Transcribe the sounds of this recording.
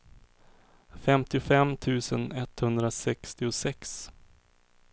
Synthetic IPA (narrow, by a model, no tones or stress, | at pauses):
fɛmt̪ɪʊfɛmt̪ʰʉ̟ːsənɛt̪hɵnd̪ɾasɛkst̪ɪʊsɛks